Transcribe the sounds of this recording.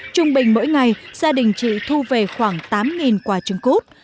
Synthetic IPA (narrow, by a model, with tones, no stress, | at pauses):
t͡ɕʊ˧ŋ͡mɓï˨˩ŋ̟mo̰˧˥jŋa˨˩jz̥aː˧ɗï˨˩ŋ̟t͡ɕḭ˧˨t̪ʰu˧ve˨˩xwaː˧˩ŋt̪aː˨˦mŋi˨˩nkwaː˧˩t͡ɕɨ˧ŋko˦˥t̚